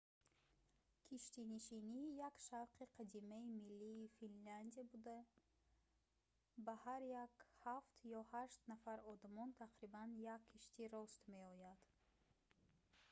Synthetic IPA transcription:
kʰiʃt̪iniʃinijakʃavqiqʰad̪imaimilːiːfinland̪iabud̪a | bahaɾjakhaft̪jɔhaʃt̪nafaɾɔd̪amɔnt̪ʰaqɾibanjakʰːiʃt̪iɾɔst̪me̞ɔjad̪̥

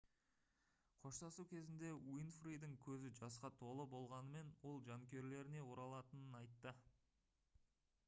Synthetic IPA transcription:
qʰo̞ʃt̪ɑsukʲʰe̞zɪnd̪e̞wijnfrijd̪ɪŋkʲʰɵzɪd͡ʒɑsqɑt̪ʰo̞lˠəbo̞lˠʁɑnəme̞nwo̞lˠʒɑŋkʲe̞ɾle̞ɾɪne̞woɾɑlˠɑt̪ənənɑjt̪ːə

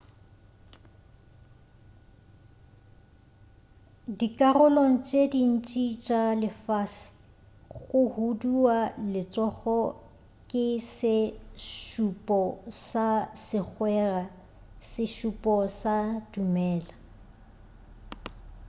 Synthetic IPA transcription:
dikʼarʊloŋ̩t͡ʃʼedin̩t͡ʃʼit͡ʃʼalɪfaːsɪ̥ | ɣʊhudualɪt͡sʼɔχɔ | kʼɪsɪʃupʼɔsasɪk͡xwɛra | sɪʃupʼɔsadumɛːla

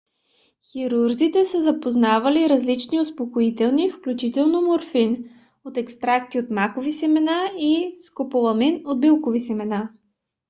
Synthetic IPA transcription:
xiɾuɾzit̪ɛsəzɐpoznavɐliɾɐzlit͡ʃniʊspokoit̪ɛlˠnifklʲut͡ʃit̪ɛlˠnomoɾfin | ot̪ɛkst̪ɾakt̪iot̪makovisɛmɛnaiskopolˠɐminot̪̚bilˠkovisɛmɛna

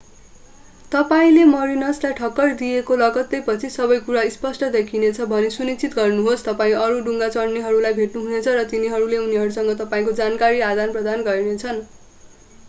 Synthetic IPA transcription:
t̪ʌpaĩlemʌɾinʌslajʈʰʌkːʌrd̪iekolʌɡʌt̪ːʌjpʌt͡sʰisʌbʌjkuɾaispʌsʈʌd̪ekʰinet͡sʰʌbʱʌnesunit͡sit̪ɡʌrnuɦost̪ʌpaĩʌɾuɖuŋɡat͡sʌrniɦʌɾulajbʱeʈnuɦunet͡sʰʌrʌt̪iniɦʌɾuleuniɦʌɾusʌŋɡʌt̪ʌpaĩkod͡zankaɾiad̪anprʌd̪anɡʌrnet͡sʰʌn

